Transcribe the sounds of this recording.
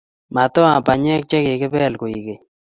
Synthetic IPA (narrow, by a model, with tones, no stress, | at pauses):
ma˨t̪ɔ˦a˨pa˨ɲɛ˦k̚t͡ʃɛ˦ke˨kɪ˦bɛ˦˨lko˨i˨ke˨